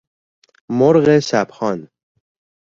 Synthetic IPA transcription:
moɾɣesæbxɒːn

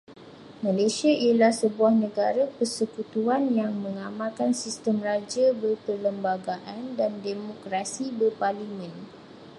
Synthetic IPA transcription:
mãlasiaʔiəlahsəbuahnə̃ɡaɾapərsəkut̪uanjaŋmə̃ŋamãlkansist̪əmrad͡ʒabərpərləmbaɡaʔandandemokɾasibərparlimə̃n

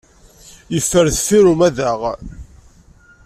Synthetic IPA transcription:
jəfːəɾθfiɾumæðaʁ

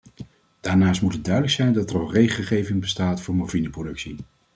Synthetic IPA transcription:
d̥aːɹnaːs̬tmutəd̚œɥdələksɛjndɑtərɑlˠrejχəlˠχejvɪŋbəstaːtfʊːɹmɔvinəprowdɵksi

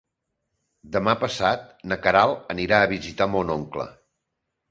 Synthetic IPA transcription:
d̪əmapəsat̪̚nəkəɾalˠəniɾaəβizit̪amonɔŋklə̰

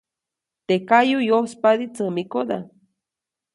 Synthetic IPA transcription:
t̪ekajujospad̪it͡səmikod̪a̰

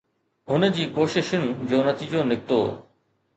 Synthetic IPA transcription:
ɦʊnəd͡ʑiːkoːʃɪʃʊnd͡ʑoːnɐt̪iːd͡ʑonɪk̚t̪o̰ː

